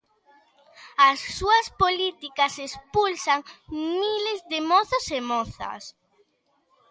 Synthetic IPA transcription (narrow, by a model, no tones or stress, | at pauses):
asːuɐspolit̪ikɐsespulsaŋmilezðemɔθosemɔθɐ̰s